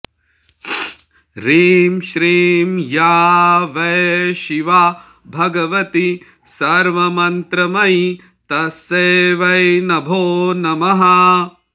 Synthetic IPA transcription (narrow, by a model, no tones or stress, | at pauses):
ɾiːmʃɾiːmjaːʋɐjʃiʋaː | bʱɐɡɐʋɐt̪i | sɐɾʋɐmɐnt̪ɾɐmɐj | t̪ɐseːʋɐjnɐbʱoːnɐmɐɦɐ